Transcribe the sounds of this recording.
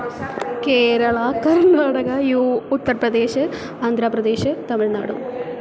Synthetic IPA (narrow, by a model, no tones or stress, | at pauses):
keːɾɐɭɐkɐɾnaːɽɐɡɐjuːut̪ːɐrprɐd̪e̞ːɕɨ | aːnd̪ʱɾaːprɐd̪e̞ːɕɨt̪ɐmiɭna̰ːɽṵm